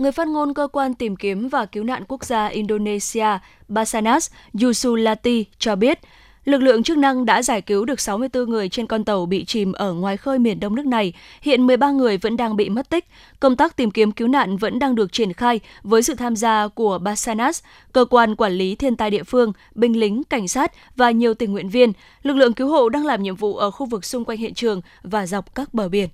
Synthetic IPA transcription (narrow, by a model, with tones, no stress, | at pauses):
ŋɨ˨˩əjfaː˦˥t̚ŋo˧nkəː˧kwaː˧nt̪i˨˩mki˨˦əmvaː˨˩ki˨˦wna̰ː˧˨nku˦˥ək̚zaː˧ʔi˧nɗo˧ne˧si˧aː˧ | ɓaː˧saː˧naː˦˥szu˧su˧laː˧t̪i˧t͡ɕɔ˧ɓi˦˥ət̚ | lɨ˨˩k̚lɨ̰˧˨əŋt͡ɕɨ˦˥k̚na˧ŋɗa̰ː˧˥zaː˧˩jki˨˦wɗɨ˨˩ək̚sa˨˦wmɨ˧əjt̪ɨ˧ŋɨ˨˩əjt͡ɕe˧nkɔ˧nt̪ə˨˩wɓḭ˧˨t͡ɕi˧˨˩mʔəː˧˩ŋwaː˨˩jxəː˧jmi˨˩ənɗə˧wŋ͡mn˦˥ək̚na˨˩jhḭ˧˨ənmɨ˨˩əjɓaː˧ŋɨ˨˩əjvə̰˧˥nɗaː˧ŋɓḭ˧˨mə˦˥t̚t̪ï˦˥k̟̚ | kə˧wŋ͡mt̪aː˦˥k̚t̪i˨˩mki˨˦əmki˨˦wna̰ː˧˨nvə̰˧˥nɗaː˧ŋɗɨ˨˩ək̚t͡ɕi˧˩ənxaː˧jvəː˨˦jsɨ̰˧˨t̪ʰaː˧mzaː˧ku˧˩əɓaː˧saː˧naː˦˥s | kəː˧kwaː˧nkwaː˧˩nli˨˦t̪ʰi˧ənt̪aː˧jɗḭ˧˨əfɨ˧əŋ | ɓï˧ŋ̟lï˨˦ŋ̟ka˧˩jŋ̟saː˦˥t̚ | vaː˨˩ɲi˨˩əwt̪ï˨˩ŋːwḭ˧˨ənvi˧ən | lɨ˨˩k̚lɨ̰˧˨əŋki˨˦wɦo̰˧˨ɗaː˧ŋlaː˨˩mɲḭ˧˨əmvṵ˧˨ʔəː˧˩xu˧vɨ˨˩k̚sʊ˧ŋ͡mkwa˧jŋhḭ˧˨nt͡ɕɨ˨˩əŋ | vaː˨˩za˨˩wk͡p̚kaː˦˥k̚ɓəː˧˩ɓi˧˩ən